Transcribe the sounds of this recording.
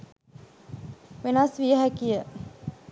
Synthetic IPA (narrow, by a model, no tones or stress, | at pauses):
ʋenasʋijəɦækijə